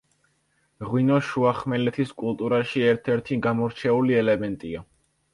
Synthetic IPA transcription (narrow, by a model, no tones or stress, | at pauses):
ʁwinɔʃuaχmɛlɛt̪ʰiskʼulˠt̪ʼuɾaʃiɛɾt̪ʰɛɾt̪ʰiɡamɔɾt͡ʃʰɛuliɛlɛmɛnt̪ʼia